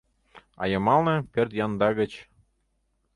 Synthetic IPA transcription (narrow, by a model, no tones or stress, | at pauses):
ɑ̰jɤ̆mɑlnɤ̆pʲørt̪jɑnd̪ɑɣə̆t͡ɕ